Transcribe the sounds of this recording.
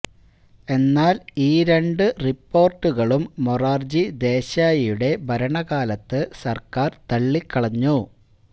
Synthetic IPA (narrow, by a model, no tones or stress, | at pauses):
e̞nːaːliːɾe̞ɳɖɨripːo̞ːrʈːuɣɐɭumːoraːrd͡ʑid̪e̞ːɕaːjɐjuɽe̞bʱɐɾɐɳɐɣaːlɐt̪ːɨsɐrkaːrt̪ɐɭːikːɐɭɐɲːu